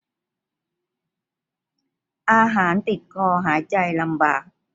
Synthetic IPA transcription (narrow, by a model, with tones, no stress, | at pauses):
ʔaː˧ɦaː˩˦nt̪i˨˩t̪̚kʰɔː˧ɦaː˨˩˦jt͡ɕa˧jla˧mba̰ː˨˩k̚